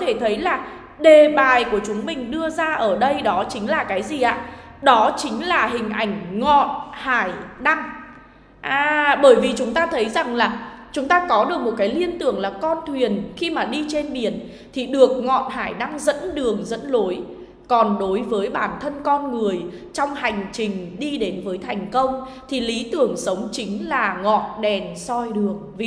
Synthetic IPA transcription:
t̪ʰe˧˩t̪ʰə˨˦jlaː˨˩ | ɗe˨˩ɓaː˨˩jku˧˩ət͡ɕʊ˨˦ŋ͡mmï˨˩ŋ̟ɗɨ˧əzaː˧ʔəː˧˩ɗə˧jɗɔ˨˦t͡ɕï˨˦ŋ̟laː˨˩kaː˨˦jzi˨˩ʔa̰ː˧˥ | ɗɔ˨˦t͡ɕï˨˦ŋ̟laː˨˩ɦï˨˩ŋ̟ʔa˧˩jŋ̟ŋɔ̰˧˨nhaː˧˩jɗa˧ŋ | ʔaː˧˩ɓəː˧˩jvi˨˩t͡ɕʊ˨˦ŋ͡mt̪aː˧t̪ʰə˨˦jza˨˩ŋlaː˨˩ | t͡ɕʊ˨˦ŋ͡mt̪aː˧kɔ˨˦ɗɨ˨˩ək̚mo˨˩t̚kaː˨˦jli˧ənt̪ɨ˧˩əŋlaː˨˩kɔ˧nt̪ʰwi˨˩ənxi˧maː˨˩ɗi˧t͡ɕe˧nɓi˧˩ən | t̪ʰi˨˩ɗɨ˨˩ək̚ŋɔ̰˧˨nhaː˧˩jɗa˧ŋzə̰˧˥nɗɨ˨˩əŋzə̰˧˥nlo˨˦j | kɔ˨˩nɗo˨˦jvəː˨˦jɓaː˧˩nt̪ʰə˧nkɔ˧nŋɨ˨˩əjt͡ɕɔ˧wŋ͡mha˨˩jŋ̟t͡ɕï˨˩ŋ̟ɗi˧ɗe˨˦nvəː˨˦jt̪ʰa˨˩jŋ̟kə˧wŋ͡m | t̪ʰi˨˩li˨˦t̪ɨ˨˩əŋsə˨˦wŋ͡mt͡ɕï˨˦ŋ̟laː˨˩ŋɔ̰˧˨nɗɛ˨˩nsɔ˧jɗɨ˨˩əŋvi˧˨

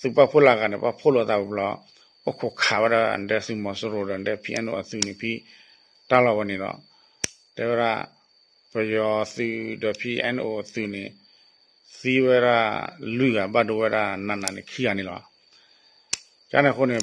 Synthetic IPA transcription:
θɨ˨pa˦˨pʰo˦˨la˧˨ka˨ne˨pa˦˨pʰo˦˨lo˧˨˧t̪a˧˨bɔ˨blɔ˧˦ | ɔ˦kʰo˧˨kʰa˨wa˦da˧ə̰˨ndɛ˧sɨ˧mɔ˨so˦ɾo˨dɔ˧˨dɛ˦˧pʰi˦ʔɛ˧˦no̰˧˨a˨θu˧˨nĩ˨pʰi˦ | ta˦˨lɔ˧˨bɔ˧nĩ˨lɔ̰˧˨ | dɛ˧˨wɛ˦ɾa̰˦˧˨ | pə˨jɔ˧θɨ˧dɔ˨pʰi˦ʔɛ̰˦˨no̰˧˨θɨ˧ne˨ | si˦wɛ˦˨ɾa̰˦˧˨lu˦i˨ɡa˨ba˦˨do˧˨wɛ˦ɾa˦˧˨nã˧˨nã˨ni˨kʰi˦ɡa˨nĩ˨lɔ̰˧˨ | t͡ʃa̰˦nã˧˨ko˦˨ne˨

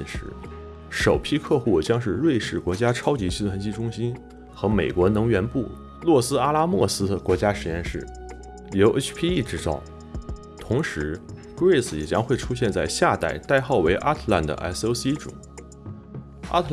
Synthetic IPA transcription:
ʂɻ̩˧˥ | ʂo˨˩ʊpʰi˥kʰɤ˥˧xu˥˩t͡ɕjɑ˥ŋʂɻ̩˥˧ɻwe˥˧ɪʂɻ̩˥˩kwɔ˧˥t͡ɕja˥ʈ͡ʂʰɑ˥ʊt͡ɕi˧˥ɕi˥t̪ʰwa˧˥nt͡ɕi˥ʈ͡ʂʊ˥ŋɕi˥n | xɤ˧˥me˨˩ɪkwɔ˧˥nɤ˧˥ŋɥɛ˧˥npu˥˩ | lwɔ˥˩sɹ̩˥a˥la˥mwɔ˥˩sɹ̩˥d̪ə˨kwɔ˧˥t͡ɕja˥ʂɻ̩˧˥jɛ˥˧nʂɻ̩˥˩ | ljo˧˥ʔt͡ɕʰpʰi˥i˥˩ʈ͡ʂɻ̩˧˥t͡sɑ˥˩ʊ | t̪ʰʊ˧˥ŋʂɻ̩˧˥ | kɹe˥˩sjɛ̰˨˩t͡ɕjɑ˥ŋxwe˥˩ɪʈ͡ʂʰu˥ɕ̬jɛ˥˧nt͡sa˥˧ɪɕja˥˧t̪a˥˩ɪt̪a˥˧ɪxɑ˥˩ʊwe˧˥ɪʔa˥t̪ʰla̰˥˩nd̪ə̰˩ʔa̰˥so˥ʊsi˥ʈ͡ʂṵ˨˩˦ | a̰˥t̪ʰ

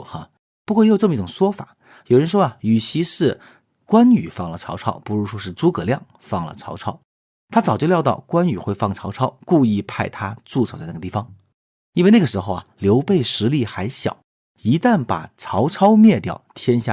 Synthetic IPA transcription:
xa˥˩ | pu˧˥kwɔ˥˩jo˨˩ʈ͡ʂm˧i˥˩ʈ͡ʂʊ˨˩ŋʂwɔ˥fa̰˨˩˦ | jo˨˩ɻə˧˥nʂ̬wɔ˥ɐ˨y˨˩ɕʰi˧˥ʂɻ̩˥˩ | kwa˥ny˨˩fɑ˥˩ŋlə˨˩ʈ͡ʂʰɑ˧˥ʊʈ͡ʂʰɑ˥ʊpu˧˥ɻu˧˥ʂwɔ˥ʂɻ̩˥˧t͡su˥kɤ˨˩ljɑ˥˩ŋ | fɑ˥˩ŋlə̰˩ʈ͡ʂʰɑ˧˥ʊʈ͡ʂʰɑ˥ʊ | t̪ʰa˥t͡sɑ˨˩ʊt͡ɕjo˥˧jʊt̪ɑ˥˩ʊkwa˥ny˨˩xwe˥˧ɪfɑ˥˩ŋʈ͡ʂʰɑ˧˥ʊʈ͡ʂʰɑ˥ʊku˥˧i˥˧pʰa˥˩ɪt̪ʰa˥t͡su˥˩t͡sʰt͡sa˥˧n˥˩ə˧t̪i˥˩fɑ˩ŋ | i˥nwe˥˧na˥˩ɡə˩ʂɻ̩˧˥xo˥˧ʊɐ̰˨˩ljo˧˥ʊpe˥˩ɪʂɻ̩˧˥li˥˩xa˧˥ɪɕjɑ̰˨˩˦ʊ | i˧˥t̪a˥˩npa̰˨˩ʈ͡ʂʰɑ˧˥ʊʈ͡ʂʰɑ˥ʊmjɛ˥˧t̪jɑ̰˥˩ʊt̪ʰjɛ˥nɕja̰˥˩

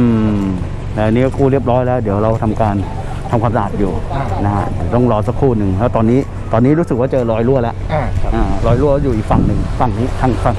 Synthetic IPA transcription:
ʔɯː˧˩ | lɛ˧˨˩nːiː˦˥kɔ˦˥˩kʰuː˥˩ɾi˥˩əp̚ɾɔː˦˥jlɛː˦˥wd̪i˩˦əwɾa˧wt̪ʰa˧mkaː˧n | t̪ʰa˧mkʰaː˧msa˧˨aː˨˩t̪̚juː˨˩na˦˥kʰa̰˦˥di˨˩˦t̪ɔ˥˩ŋɾɔː˧sa˦˥kʰːuː˥˩nɯ˨˩ŋlɛː˦˥˩t̪ɔː˧nːiː˦˥ | t̪ɔː˧nːiː˦˥ɾuː˦˥sɯ˨˩k̚waː˥˩t͡ɕɤː˧ɾɔː˧jlu˥˩əlɛ˦˥ʔʔaː˨˩ɾɔː˧jlu˥˩kɔ˦˥˩juː˨˩ʔiː˨˩k̚fa˨˩ŋnɯ˨˩ŋfa˨˩ŋniː˦˥t̪ʰa˥˩ŋkʰa˧˩ŋ

